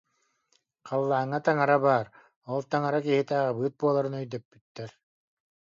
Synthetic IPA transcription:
qʰalˠːaːŋːat̪aŋaɾabaːɾ | ɔlˠt̪aŋaɾakiɦit̪ɛːʁabɯːt̪̚buɔlˠaɾɯnœjd̪œpːy̥t̪ːɛɾ

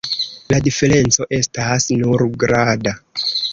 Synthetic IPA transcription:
ladife̞ɾe̞nt͡so̞ʔe̞stasnuɾɡɾada

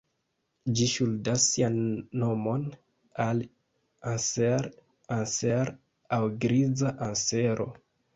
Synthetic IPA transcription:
d͡ʒiʃuldasːianːo̞mo̞n | al | anseɾ | anseɾ | awɡɾid͡zaʔanseɾʔo̰

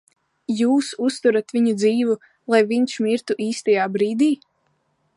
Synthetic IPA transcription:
juːsust̪uɾat̪vʲiɲud̪ziːvu | lˠajviɲʃmʲiɾt̪uʔiːst̪ajaːbɾiːd̪iː

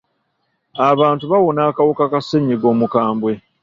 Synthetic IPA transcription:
aβaːntuβawo̞naːkawokakasːeɲːiɡo̞ːmukaːmbwe̞

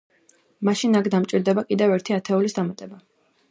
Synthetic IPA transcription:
maʃinaɡd̪amt͡ʃʼiɾd̪ɛbakʼid̪ɛvɛɾt̪ʰiat̪ʰɛulisd̪amat̪ʼɛba

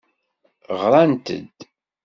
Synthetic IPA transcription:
ʁɾˤɑnt̪ə̰d̪

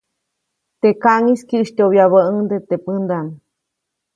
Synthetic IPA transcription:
t̪ekaŋiskiʔʃt̪ʲoβjaβəʔəŋd̪et̪epɨnd̪an

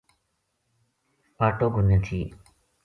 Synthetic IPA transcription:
paːʈoːɡʱʊnːet̪ʰiː

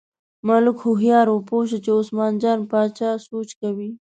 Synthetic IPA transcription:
malukhuɦjɑːɾwopoːʃ̬at͡ʃeosmɑːnd͡ʒɑːnpɑːt͡ʃasoːt͡ʃkawi

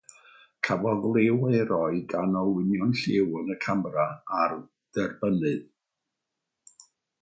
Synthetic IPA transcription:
kʰavɔðlˠeweɾɔɨɡanɔwɪnjɔnɬɪwənəkʰamraar | d̥ɛrbənɨð

